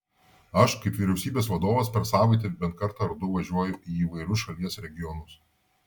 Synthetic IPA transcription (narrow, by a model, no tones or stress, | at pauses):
ɐʃkɐɪpʋʲiɾʲɛʊsʲiːbʲeːsʋɐd̪oːʋɐspʲɛɾsɑːʋɐɪt̪ʲebʲɛnt̪kɐɾt̪ɑɾd̪ʊʋɐʒʲuɔjʊʔiːiːʋɐɪɾʲʊsʃɐlʲiɛsɾʲɛɡʲɪjɔnʊs